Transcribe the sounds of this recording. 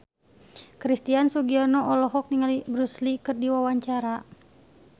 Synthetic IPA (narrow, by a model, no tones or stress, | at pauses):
kɾist̪iansuɡianɔʔɔlɔɦɔk̚niŋalibɾuslikɨrdiwawaɲt͡ʃaɾa